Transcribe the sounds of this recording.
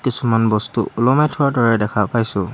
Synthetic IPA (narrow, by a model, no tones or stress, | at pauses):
kisumanbɔstuʔulɔmɛtʰɔɹdɔɹɛdɛkʰapajsʊ